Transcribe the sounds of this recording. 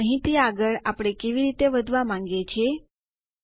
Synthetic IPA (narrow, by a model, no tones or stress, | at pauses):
əɦit̪iːaɡəɭapɽ̃ekeʋiːɾit̪eʋəd̪ʱʋamãŋɡet͡ɕe